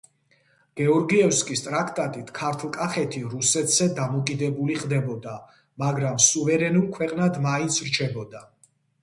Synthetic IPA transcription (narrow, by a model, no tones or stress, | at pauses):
ɡ̥ɛɔɾɡiɛfskʼist̪ʼɾakʰt̪ʼat̪ʼit̪ʰkʰaɾt̪ʰlˠkʼaχɛt̪ʰiɾusɛt̪ʰz̥ɛd̪amɔkʼid̪ɛbuliχd̪ɛbɔd̪a | maɡɾamsuvɛɾɛnulˠkʰwɛqʼnad̪maint̪sʰɾt͡ʃʰɛbɔd̪a